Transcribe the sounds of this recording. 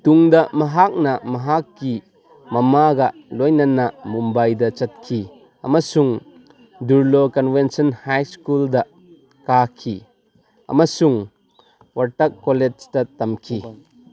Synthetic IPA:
t̪uŋd̪ɐmɐɦak̚nɐmɐɦakːi | mɐmaɡɐlɔjnɐnɐmumbɐjd̪ɐt͡ʃɐt̪̚kʰi | ɐ̰mɐsuŋ | duɾlokɐnvensɔnhajskuld̪ɐ | kakʰi | ɐ̰masuŋ | wɐɾtɐkːoled͡ʒtɐt̪ːɐmkʰi

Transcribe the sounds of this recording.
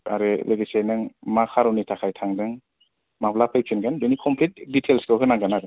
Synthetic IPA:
aɾeleɡisajnɯŋmakʰaɾɔnitʰakʰajtʰaŋdɯŋ | maplapʰajpʰinɡanbenikʰɔmpʰlit̚ditʰelskʰɯwkʰɯnaŋɡanaɾɯ

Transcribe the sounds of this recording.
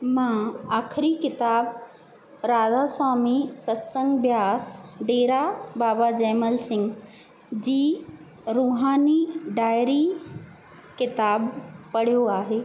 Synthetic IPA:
mãaːkʰɾikɪt̪aːb | ɾaːdaːswaːmisət̪səŋɡbjaːsɖeːɾabaːbad͡ʑɛːməlsɪ̃ŋɡ | d͡ʑiː | ɾuːɦaːniɖaːjɾi | kɪt̪aːbpɐɽ̤ijoaːɦeː

